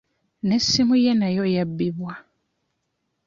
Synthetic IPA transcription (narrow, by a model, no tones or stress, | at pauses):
nesːimujenajojabːiβwa